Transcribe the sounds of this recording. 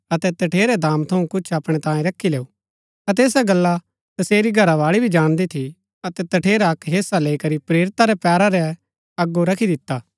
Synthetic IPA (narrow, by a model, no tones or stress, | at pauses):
ɐt̪ɛt̪ɐʈʰeːɾɛd̪ãːmt̪ʰɐũkʊt͡ʃʰɐpɽ̃ɛt̪ãːjẽɾɐkʰːileːu | ɐt̪̬ɛeːs̬aɡɐlːa | t̪ɐseːɾiɡʱɐɾaʋaːɭibʱid͡ʒãːɽ̃d̪it̪ʰi | ɐt̪ɛt̪ɐʈʰeːɾaɐkɦeːsaleːikɐɾipɾeːɾɪt̪aɾɛpɛːɾaɾɛ | ɐɡːoɾɐkʰid̪ɪt̪ːaː